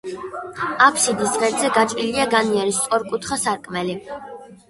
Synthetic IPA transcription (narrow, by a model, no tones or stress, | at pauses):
apʰsid̪isʁɛɾzɛɡat͡ʃʼiliaɡaniɛɾist̪ʼɔɾkʼut̪ʰχasaɾkʼmɛli